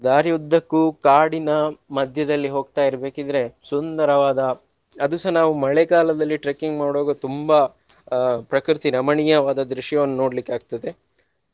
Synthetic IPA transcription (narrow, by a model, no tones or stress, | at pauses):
d̪aːɾjud̪ʱːɐkːukaːɽinɐmɐd̪ʱjɐd̪ɐlːiɦo̞ːɡ̚t̪aːjiɾɐbe̞ːkid̪ɾe̞sund̪ɐɾɐʋaːd̪ɐ | ɐd̪usɐnaːʋumɐɭekaːlɐd̪ɐlːiʈɾeːkiŋɡmaːɽoːɡɐt̪umbɐ | pɾɐkɾit̪iɾɐmɐɳijɐʋaːd̪ɐd̪ɾuʂjɐʋɐnːuno̞ːɽlikːeaːɡ̚t̪ɐd̪e̞